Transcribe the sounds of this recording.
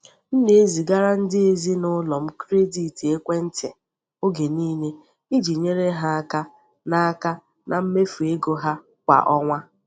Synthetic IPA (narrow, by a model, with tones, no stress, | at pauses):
n̩˦ne˨e˦zi˨ɡa˦ɾa˦n̩˦dɪ˦e˨zi˦nʊ˦lɔ˨m̩˦kɾe˦di˨ti˨e˦kʷe˦n̩˦te˨ | o˦ɡe˨niː˦ne˦ | i˦d͡ʒi˨ɲe˦ɾe˦ɦa˦a˦ka˦ | na˦a˦ka˦ | na˨m̩˦me˦fe˦ɡo˦ɦa˦ | kʷa̰˨ʔɔ˦ŋʷa˦